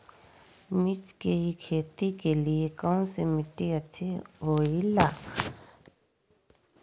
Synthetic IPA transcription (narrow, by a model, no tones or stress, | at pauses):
mɪt͡ʃkeɦikʰeːt̪ikeliekãũsemɪʈiɐt͡ʃʰiɦoːila